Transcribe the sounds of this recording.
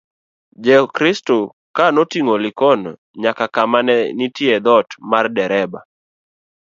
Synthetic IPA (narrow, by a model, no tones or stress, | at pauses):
d͡ʒɛkɾɪsto | kanotiŋolɪkɔnɔ̰ | ɲakakamanɛnitiɛd̪ɔtmardɛɾɛba̰